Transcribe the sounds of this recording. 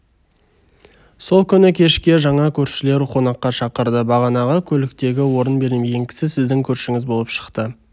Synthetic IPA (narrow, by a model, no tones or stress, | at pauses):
so̞lˠkʲʰʏnɪkʲʰe̞ʃkʲe̞ʒɑɴɑkʲʰɵɾʃɪle̞ɾqʰo̞nɑqːɑʃɑqəɾd̪əbɑʁɑnɑʁɑkʲʰɵlɪk̚t̪e̞ɡʲɪwo̞ɾənbe̞ɾɪme̞ɡʲe̞ŋkʲʰɪ̥sɪsɪzd̪ɪŋkʲʰɵɾʃɪŋɪzbo̞lˠəpʃə̥qt̪ə